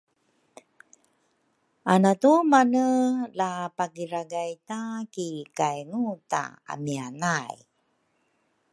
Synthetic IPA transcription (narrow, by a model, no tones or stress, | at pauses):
ʔanatumanəlapaɡiɾaɡajtakikajŋuta̰a̰mianaj